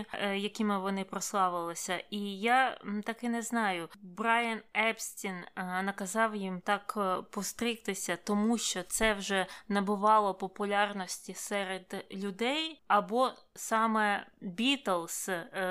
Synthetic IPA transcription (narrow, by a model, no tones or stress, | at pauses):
jɐkʲimɪʋɔnɪpɾɔslˠɑʋɪlˠɪsʲɐʔijat̪ɑkɪnɛznɑjʊbɾɑjɐnɛpsʲtʲinnɐkɐzɑwjimt̪ɑkpɔst̪ɾʲɪxt̪ɪsʲɐt̪ɔmuʃt͡ʃɔt̪sɛwʒɛnɐbʊʋɑlˠɔpɔpʊlʲɑrnɔsʲtʲisɛɾed̪lʲʊd̪ɛjɐbɔsɑmɛbʲit̪elˠs